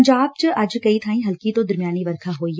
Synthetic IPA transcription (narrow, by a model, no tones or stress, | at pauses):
ɲd͡ʒaːb̚t͡ʃəʔɐd͡ʒkɐit̪ʰaːĩɦɐlkit̪õd̪ɐɾmijaːniʋəɾkʰaɦoːi